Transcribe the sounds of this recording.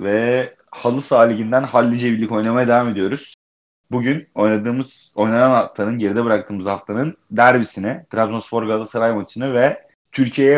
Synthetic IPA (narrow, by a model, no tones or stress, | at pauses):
vɛ | halˠɯsaːlʲiɟind̪ænhalʲːid͡ʒebilʲːico̞jnamajad̪evaːmed̪ijo̞ɾuz̥ | buɟyno̞jnˠad̪ɯːmɯz̥o̞jnananhaft̪ʰˠanɯnɟe̞ɾid̪ɛbɯɾak̚t̪ʰɯːmɯzhaft̪ʰanɯnd̪æɾbisinɪt̪ɾabzosfo̞ɾɡad̪asaɾajmat͡ʃ̪ʰɯnɯvɛ | t̪ʰyɾcʰijejɛ